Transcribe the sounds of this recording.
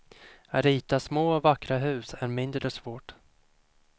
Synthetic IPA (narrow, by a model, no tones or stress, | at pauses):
aɾiːt̪asmoːɔvakːɾaɦʉ̟ːsæɾmɪnd̪ɾəsvoːʈ